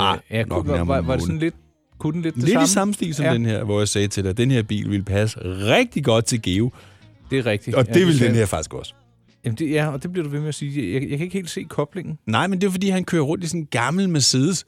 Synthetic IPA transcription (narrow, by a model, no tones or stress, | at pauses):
ɑɪææɐmɑʋɑ̈desɔnled̥ | kʰudn̩led̥̚ʰeled̥isɑ̈m̩sd̥ḭːlsɒ̥̽enheɐ̰ʋɒjɑɪsɛːt͡sʰe̝ld̥eæd̥enheɐ̰b̥ḭːlʋe̝lpʰæs̬əʁɛɡ̥̚d̥iɡ̥ɒ̽d̥̚t͡sʰe̝lɡ̥e̝ːʊ | d̥e̝ʁɛɡ̥̚d̥iɒ̥̽e̝ʋeld̥enheɐ̰fɑ̈ɡ̥isɡ̥ɒs | jæmnd̥e̝jæɒd̥e̝b̥liɐɾ̥uʋe̝meæsiːjajakʰæe̝ɡ̥he̝ːld̥se̝̰ːkʰɒ̽b̥le̝ŋn̩nɑ̈ɪ̰mend̥e̝ʊfɒdḭːhænkʰø̰ːɐʁɔ̽n̰d̥isɔnɡ̥ɑ̈ml̩mæsiðˠəs